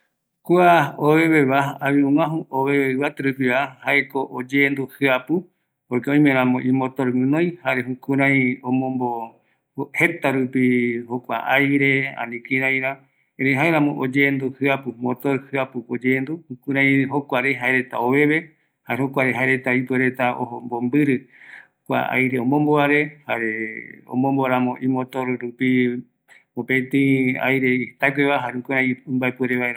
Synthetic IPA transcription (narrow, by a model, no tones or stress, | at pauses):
kuaoβe̞βeβaaβĩũŋãɦuoβeβeɨβat̪ɾɨpiβahaekoʔod͡ʒeːnd̪uhɨapu | ojkeõj̃mẽɾ̃ãmõʔĩmõt̪oɾmɨ̃nõj̃haɾeɦukũɾ̃ãj̃õmõmbo | het̪aɾupihokʷa̰ʔajɾe̞a̰nĩkĩɾãj̃ɾã | ẽɾeɦaeɾãmõʔo̰d͡ʒend̪uhɨapumot̪oɾhɨapuod͡ʒend̪uũkũɾãj̃ɦokʷaɾeɦaeɾe̞t̪a̰oβe̞βe̞ | haeɦokʷaɾeɦaeɾe̞t̪aipeɾe̞t̪aʔo̰hombombɨɾɨ | kʷa̰a̰jɾe̞õmõmboaɾe̞haɾeõ̰mõmboaɾamõʔimot̪oɾɾupi | opẽt̪ĩa̰jɾe̞iht̪akʷeβaɦaũkuɾãj̃mbaepweɾeβaeɾa